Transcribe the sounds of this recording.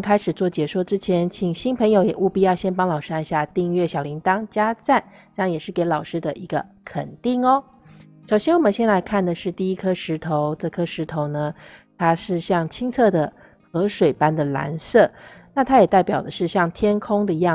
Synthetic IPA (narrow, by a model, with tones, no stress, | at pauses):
kʰa˥ɪʂɻ̩˨˩t͡swɔ˥˩t͡ɕjɛ˨˩ʂwɔ˥˩ʈ͡ʂɻ̩˥t͡ɕʰjɛ˧˥nt͡ɕʰi˨˩ŋɕi˥npʰə˧˥ŋjo˧˥ʊjɛ˨˩ʔu˥˩pi˥˧jɑ˥˩ʊɕjɛ˥npɑ˥ŋlɑ˨˩ʊʂɻ̩˥a˥˧ɕja˥˧t̪i˥˧ŋɥɛ˥˩ɕjɑ˨˩ʊli˧˥ŋt̪ɑ˥ŋt͡ɕja˥t͡sa˥˩n | ʈ͡ʂɤ˥˧jɑ˥˩ŋjɛ˨˩ʂɻ̩˥˩ke˧˥ɪlɑ˨˩ʊʂɻ̩˥d̪ə˨ʔi˧˥ɡə˧ | kʰə̰˨˩nt̪i˥˩ŋɔ˦ | ʂo˨˩ʊɕjɛ˥nwɔ˨˩ə˦nɕjɛ˥nla˧˥ɪkʰa˥˩nd̪ə˩ʂɻ̩˥˧t̪i˥˩i˥kʰɤ˥ʂɻ̩˧˥t̪ʰo˧˥ʊʈ͡ʂɤ˥˩kʰɤ˥ʂɻ̩˧˥t̪ʰo˧˥ʊnə˧t̪ʰa˥ʂɻ̩˥˧ɕjɑ˥˩ŋt͡ɕʰi˥ŋt͡sʰɤ˥˩d̪ə˩ | xɤ˧˥ʂwe˨˩ɪpa˥nd̪ə˨la̰˧˥nsɤ˥˩na˥˩t̪ʰa˥jɛ˨˩t̪a˥˩pjɑ˨˩ʊd̪ə˦ʂɻ̩˥˧ɕjɑ˥˩ŋt̪ʰjɛ˥nkʰʊ˥ŋd̪ə˨i˧˥jɑ˥˩